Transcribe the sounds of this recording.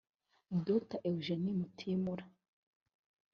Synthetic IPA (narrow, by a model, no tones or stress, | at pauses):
dotaʔewʒenimutʰimuɾa